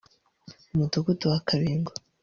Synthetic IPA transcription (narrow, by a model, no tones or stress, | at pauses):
umutokutuakʰaβiːŋɡo